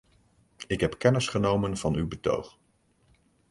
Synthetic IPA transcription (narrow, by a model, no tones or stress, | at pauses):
ɪkɦɛpkɛnəsχənowmənv̥ɑnywbəto̰wχ